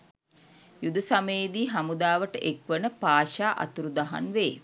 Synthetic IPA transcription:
jud̪əsameːd̪iːɦamud̪aːʋəʈəʔekʋənəpaːʃaːʔa̰t̪uɾud̪aɦa̰nʋeː

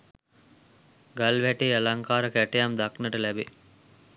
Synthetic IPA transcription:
ɡɐlʋæʈeːɐlaŋkaːɾəkæʈejamd̪aknəʈəlæbe

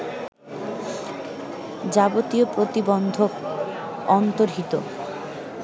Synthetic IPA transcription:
d͡ʑaɡot̪iopɾot̪ibɔnd̪ʱok | ɔnt̪oɾɦit̪o

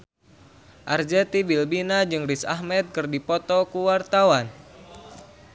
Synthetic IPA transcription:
ʔard͡ʒɛt̪ibilbinad͡ʒɨŋrisa̰ɦmɛt̪̚kɨrdipɔt̪ɔkuwart̪awan

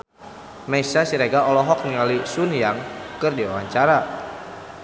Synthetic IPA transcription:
mɛisasiɾeɡaɔlɔɦɔk̚niŋalisunjaŋkɨrdiawaɲt͡ʃaɾa

